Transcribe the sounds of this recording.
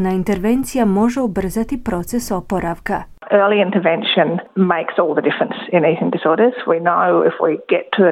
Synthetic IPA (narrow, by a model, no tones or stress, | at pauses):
naint̪e̞ɾʋe̞nt̪sijamo̞ʒeubr̩zat̪ipɾo̞t̪seso̞po̞ɾaʋka | ɜ˞lˠiɪ̃ntəvɛ̃nʃɨ̃nmeɪksɔlˠðədɪfɹə̃nsɪ̃niθɪ̃ŋdɪsɔɹɾəz̥winoʊɪ̰fwiɡ̥ɛtʰɨ